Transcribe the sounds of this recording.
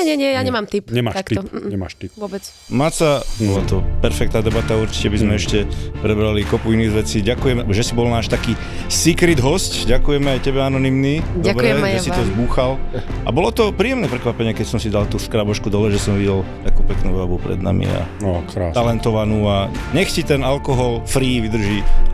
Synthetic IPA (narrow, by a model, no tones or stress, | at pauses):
ɛɲɛɲɪɛjaɲɛmaːmt̪ipɲɛmat̪atktiɲɛma̰ːʃt̪ipʋɔbɛt͡s | mat͡sabɔlat̪ɔpɛɾfɛk̚t̪naːd̪ɛbat̪auɾt͡ʃi̥cɛbizmɛɛʃcɛpɾɛbɾalikɔpuiniːɣʋɛt͡siːɟakujɛmʒɛsibɔlnaːʃt̪akiː | sikɾid̪ɦɔscɟakujɛmɛajcɛbɛanɔnimnid̪bɾɛʒɛsit̪ɔzbuːxal | ʔa̰bɔlɔt̪ɔpɾiːjɛmnɛpɾɛkʋapɛɲɪɛkɛcsɔmsid̪alt̪uskɾabɔʃkud̪ɔlɛʒɛsɔmʋiɟɛlt̪akuːpɛknuːʋabupɾɛ̰d̪na̰mḭa̰ | t̪alɛnt̪ɔʋanuːaɲɛxcit̪ɛnalkɔɦɔlfɾiːʋid̪r̩ʒi